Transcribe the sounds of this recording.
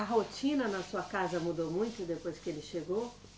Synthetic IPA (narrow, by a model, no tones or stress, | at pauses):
ɐɦot͡ʃĩnɐnɐsuɐkazɐmud̪omũj̃t̪ʊd̪epojskɪelɪʃeɡow